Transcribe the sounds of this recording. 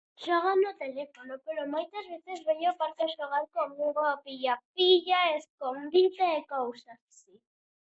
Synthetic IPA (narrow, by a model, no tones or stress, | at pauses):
ʃoɣanot̪elefonopeɾomojt̪azβeθezβeɲopaɾt̪eʃoɣ̞aɾkomuŋɡoapiʎap̚iʎaeskond̪it̪aekowsassi